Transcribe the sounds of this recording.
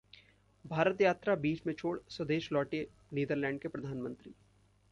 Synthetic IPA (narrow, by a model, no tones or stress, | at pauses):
bʱaːɾət̪jaːt̪ɾabiːt͡ʃmẽt͡ʃʰoːɽsɐd̪eːʃlɔːʈe | niːd̪əɾlɛ̃ːɳɖ̚kepɾɐd̪ʱaːnmə̃nt̪ɾiː